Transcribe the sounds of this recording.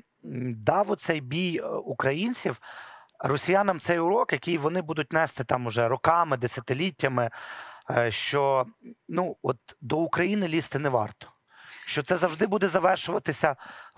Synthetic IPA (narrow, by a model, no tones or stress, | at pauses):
d̪ɑʋɔt̪sɛjbʲijukɾɐjinʲt͡sʲiw | rɔsʲijɑnɐmt̪sɛjʊɾɔkjɐkʲijʋɔnɪbud̪ʊt̚ʲnɛst̪ɪt̪ɑmʊʒɛɾɔkɑmɪd̪esʲɐt̪ɪlʲitʲːɐmɪ | ʃt͡ʃɔnuɔt̪d̪ɔukɾɐjinɪlʲist̪ɪnɛʋɑ̰rt̪ɔ̥ | ʃt͡ʃɔt̪sɛzɐwʒd̪ɪbud̪ɛzɐʋɛrʃʊʋɐt̪ɪsʲɐ